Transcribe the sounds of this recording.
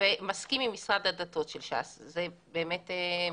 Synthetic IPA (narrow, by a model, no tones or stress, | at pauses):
vemaskimimːisʁad̪adato̞tʃelʃa̰szebeːmet̪e